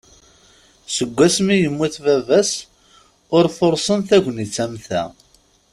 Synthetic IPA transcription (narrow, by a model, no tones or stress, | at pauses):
səɡʷːæsmijəmːuθvævæs | ʊɾfoɾˤsˤənθæʝʷnit͡sːæmθæ̰